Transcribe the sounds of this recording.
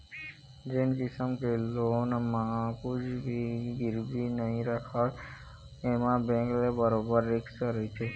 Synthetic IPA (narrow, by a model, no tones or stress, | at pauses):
d͡ʒenkisəmkelonmaakud͡ʒbiɡiɾb̪inəɦĩɾakʰaɾ | emãbẽŋklebəɾobəɾːeksaɾəɦit͡ʃʰe